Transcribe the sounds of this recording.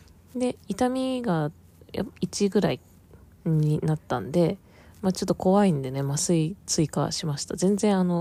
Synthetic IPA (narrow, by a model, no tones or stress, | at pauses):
d̪e̞it̪amʲiɡa | ja̰it͡ɕiɡɯ̟ɾai | ɲ̟inat̪ːã̰nd̪e̞ | mat͡ɕo̞t̪ːoko̞βaĩnd̪e̞ne̞masɨit͡sɨika̰ɕimaɕi̥t̪azẽ̞nd͡zẽ̞ɰ̃ano̞